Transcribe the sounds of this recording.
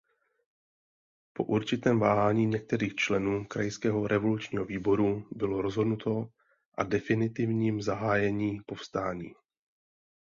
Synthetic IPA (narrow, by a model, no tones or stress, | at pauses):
po̞̰ʔuɾt͡ʃɪt̪ɛːmvaːɦaːɲiːɲɛk̚t̪ɛɾiːxt͡ʃlɛnuːkɾajskɛːɦo̞ɾʔɛvo̞lut͡ʃɲiːɦo̞viːbo̞ɾubɪlo̞ɾo̞zɦo̞dnut̪o̞ | ʔadɛfɪnɪt̪ɪvɲiːmzaɦaːjɛɲiːpo̞fst̪aːɲḭː